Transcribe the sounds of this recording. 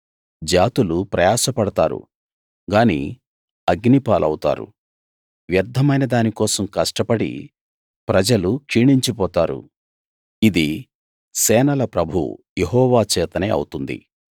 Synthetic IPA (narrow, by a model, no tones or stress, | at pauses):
d͡ʒaːt̪ulupɾɐjaːsɐpɐɽɐt̪aːɾṵ | ɡaːnḭ | ɐɡnipaːlʔɐwt̪a̰ːɾṵ | ʋjɐɾd̪ʱːɐmɐjnɐd̪aːnikɔːsɐmkɐʂʈɐpɐɽḭ | pɾɐd͡ʒɐlukʂiːɳiɲt͡ʃipɔːt̪aːɾṵ | id̪i | sɛːnɐlɐpɾɐbʱṵjeɦɔːʋaːt͡ʃɛːt̪ɐnḛːɐ̰wut̪und̪ḭ